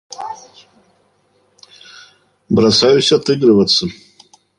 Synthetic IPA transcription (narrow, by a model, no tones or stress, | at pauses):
bɾasajusʲatʰɨɡɾɨvat͡sʰɨ